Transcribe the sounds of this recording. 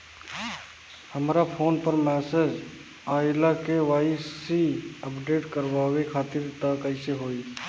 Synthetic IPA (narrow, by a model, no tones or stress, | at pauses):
həmɾapʰoːnpəɾmɛːsed͡ʒ | aːɪlakeʋaːisiəpɖeːʈkəɾʋaːʋekʰaːt̪ɪɾt̪akəɪseɦoːi